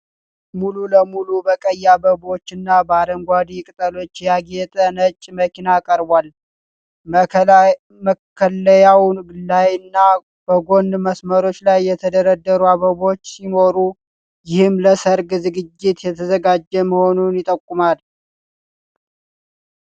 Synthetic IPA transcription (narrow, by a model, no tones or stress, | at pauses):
mululəmulubəkʼəjːabəbo̞t͡ʃːɨnːabəaɾəŋɡʷad̪ikʼɨt̪ʼəlo̞t͡ʃːjaɡet̪ʼənət͡ʃʼːməkʰinakʼəɾbʷal | məkʰːələjawnɡɨlːajɨnːa | b̥əɡo̞ndməsməɾo̞t͡ʃːlajːɛt̪ʰəd̪əɾəd̪ːəɾuaβəβo̞t͡ʃːsimo̞ɾu | jɪhɨmləsəɾɡzɨɡɨd͡ʒːɪt̪jɛt̪ʰəzəɡad͡ʒːəməho̞nunjɪt̪ʼəkʼːumal